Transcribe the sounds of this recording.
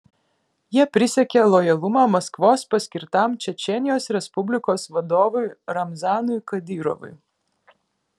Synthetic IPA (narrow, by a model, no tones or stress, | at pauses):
jiɛpʲɾʲɪsʲɛkʲelˠɔjɐlˠʊmɑːmɐskʋoːspɐsʲkʲɪɾt̪ɑmt͡ʃʲɛt͡ʃʲɛnʲɪjoːsɾʲɛspʊbʲlʲɪkoːsʋɐd̪oːʋʊjɾɐmzɑːnʊjkɐd̪ʲiːɾɔ̰ʋʊ̰j